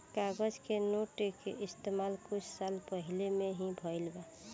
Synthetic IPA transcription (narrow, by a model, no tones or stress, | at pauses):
kaɡəd͡ʒkenoʈekeist̪emalkut͡ʃʰsalpəɦilemeɦĩbʱəjlba